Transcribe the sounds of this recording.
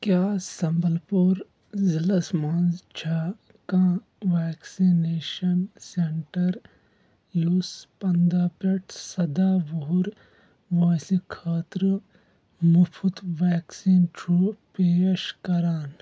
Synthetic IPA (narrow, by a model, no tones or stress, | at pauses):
kjaːsɐmbəlpuːɾ | zilɐsmaːnzt͡ʃʰa | kãː | ʋɛːksineːʃɐnseɳʈɐɾ | juspɐnd̪aːpeʈʰsɐd̪aːʋoɦuɾ | ʋoːsikʰaːt̪ɾə | mupʰut̪ʋɛːksiːnt͡ʃʰupeːʃkɐɾaːn